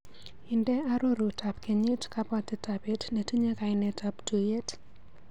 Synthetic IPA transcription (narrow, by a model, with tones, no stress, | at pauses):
ɪ˨ndɛ˦a˦ɾo˦ɾu˨tʰa˨pke˨ɲe˦tka˦pa˦ti˨tape˦tne˨ti˦ɲe˦ka˨ɪne˦taptu˨je˦t